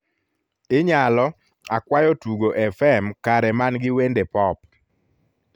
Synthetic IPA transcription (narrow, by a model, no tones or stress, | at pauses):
ɪɲalɔ | akwajɔtuɡoʔɛfɛmkaɾɛmanɡɪwendepɔp